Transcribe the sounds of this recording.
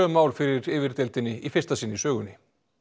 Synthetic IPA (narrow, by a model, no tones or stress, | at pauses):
œːmaːwlfɪɾɪɾɪːvɪɾt̪ɛlt̪ɪnːɪifɪrst̪asɪnːɪsœːɣʏnːɪ